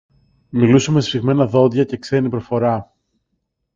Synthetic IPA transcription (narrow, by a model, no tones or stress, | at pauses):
milusumessiɣme̞nɐðo̞ðʝɐce̞kse̞nipɾofo̞ɾɐ